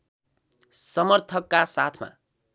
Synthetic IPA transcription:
sʌmʌrt̪ʰʌkːasat̪ʰma̰

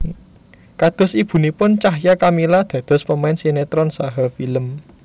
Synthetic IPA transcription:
kad̪̥ɔ̤sib̥ṳnipʊnt͡ʃaɦjakamilad̪̥ä̤d̪̥ɔ̤spəmaɪnsinet̪ɾɔnsaɦafiləm

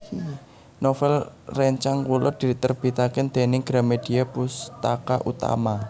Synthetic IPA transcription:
nofɛlrɛɲt͡ʃaŋkulʊ̰rd̪̥i̤t̪ərb̥i̤t̪akɪnd̪̥e̤nɪŋɡ̥ɾamed̥iapust̪a̰kaʔut̪a̰ma

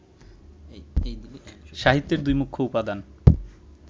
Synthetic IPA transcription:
ʃaɦit̪ːeɾd̪ujmukʰːoupad̪an

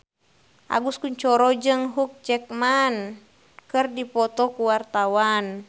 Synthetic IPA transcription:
ʔa̰ɡuskuɲt͡ʃɔɾɔd͡ʒɨŋɦuk̚d͡ʒɛk̚man | kɨrdipɔt̪ɔkuwart̪awan

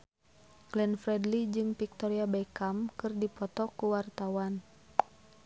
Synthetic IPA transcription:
ɡ̥lɛnfɾɛdlid͡ʒɨŋpik̚t̪ɔɾiabɛkamkɨrdipɔt̪ɔkuwart̪awan

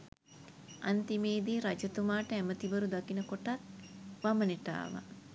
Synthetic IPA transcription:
a̰nt̪imeːd̪iːɾad͡ʒɐt̪umaːʈəæmət̪ibəɾud̪akinəkoʈat̪̚ʋaməneʈa̰ːʋa̰

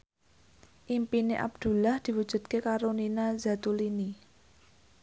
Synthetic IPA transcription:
ʔimpineʔa̰b̚d̪̥ṳlahd̪̥i̤wud̥ʒ̥ṳd̪̚kekaɾoninazat̪ulini

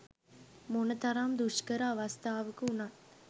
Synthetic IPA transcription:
monət̪ɐɾamd̪uʂkəɾəaʋɐst̪ʰaːʋəkəunat̪

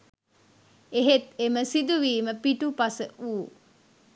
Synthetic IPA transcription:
eɦet̪eməsid̪uʋiːməpiʈupɐsəʔuː

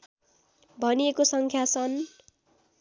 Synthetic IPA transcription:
bʱʌniekosʌŋkʰjat͡sʰʌn

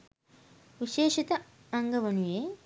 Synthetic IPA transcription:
ʋiʃeːʂit̪ɐ | ɐŋɡɐʋɐnujeː

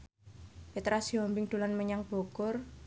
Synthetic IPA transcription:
fet̪ɾasiɔmbɪŋd̪̥ṳlanməɲaŋb̥o̤kʊr

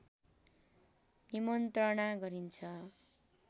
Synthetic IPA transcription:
nimʌnt̪rʌnaɡʌɾint͡sʰʌ

